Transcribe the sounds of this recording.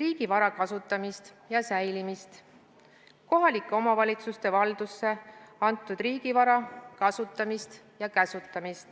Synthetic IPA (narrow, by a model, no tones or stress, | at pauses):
riːɡ̥ivɑɾɑkɑsut̪ːˑɑmist̪ | jɑsæjlimist̪ | ko̞ɦɑlikːˑeo̞mɑvɑlʲit̪sust̪e̞vɑld̪̥usːe̞ɑnt̪ːˑud̪riːɡ̥ivɑɾɑkɑsut̪ˑːɑmist̪ | jɑkæsut̪ːˑɑmist̪